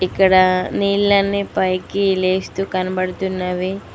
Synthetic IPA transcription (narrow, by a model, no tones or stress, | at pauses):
ikːɐɽɐniːɭlɐnːipɐjkileːst̪ukɐnɐbɐɽɐt̪unːaːʋi